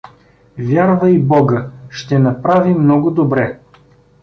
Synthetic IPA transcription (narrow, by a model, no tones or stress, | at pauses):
vʲjaɾvəibɔɡəʃt̪ɛnɐpɾavimnɔɡʊd̪obɾɛ